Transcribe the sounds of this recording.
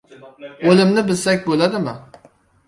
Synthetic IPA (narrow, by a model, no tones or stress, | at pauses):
olɪmnɪbɪlsɛk̚ʲbolˠad̪ɪmɪ̰